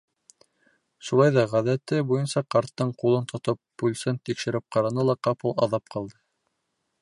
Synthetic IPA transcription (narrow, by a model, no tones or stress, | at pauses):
ʃulˠɑjðɑʁæðæt̪ɘbujɤnsɑqɑɾt̪ːɤɴqulˠɤnt̪ŏt̪ɤpːulʲsɘnt̪ikʃɘ̆ɾɘp̚qɑɾɑnɤlˠɑqɑpɤlˠɑ̰ðɑp̚qɑlˠd̪ɤ